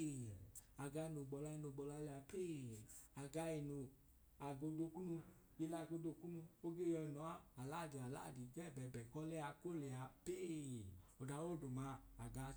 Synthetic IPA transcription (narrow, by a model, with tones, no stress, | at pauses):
a˨ɡa˧˦i˧no˨ɡ͡bɔ˨˧la˧˦i˧no˨ɡ͡bɔ˨˧la˧lɛ˧˨a˧pe˦˨a˨ɡa˧i˧no˨ | a˨ɡo˧do˧ku˦nu˧ | ɡi˧la˦˨ɡo˧do˧ku˦nũ˧o˦ɡe˦jɔ˧i˨nɔ˨˦a˦a˨la˦˨di˨a˨la̰˦˨di˨ɡɛ˦˨bɛ˨bɛ˨kɔ˦lɛ˦a˧ko˦lɛ˨a˨pe˦˨o˨da˨wo˦˨do˨mã˨˧˦a˨ɡa˨˧